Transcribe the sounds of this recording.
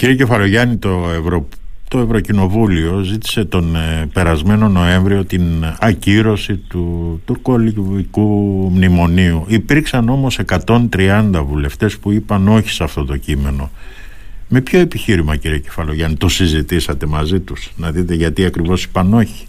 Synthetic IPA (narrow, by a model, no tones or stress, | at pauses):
ciɾio̞ce̞fɐloʝɐnit̪oevɾo | t̪o̞e̞vɾo̞cino̞vulio̞zit̪i̥se̞t̪o̞npe̞ɾɐzme̞no̞no̞e̞ɱvɾio̞t̪inɐciɾo̞sit̪ut̪uɾko̞liikumnimo̞niuipiɾksɐno̞mo̞se̞kɐt̪o̞nt̪ɾiɐnd̪ɐvule̞ft̪e̞spuipɐno̞çi̥sɐft̪o̞t̪o̞cime̞no̞ | me̞pço̞e̞piçiɾimɐciɾio̞ce̞fɐlo̞ʝɐnit̪o̞sizit̪isɐt̪e̞mɐzit̪usnɐðit̪e̞ʝɐt̪iɐkɾivo̞si̥pɐno̞çi̥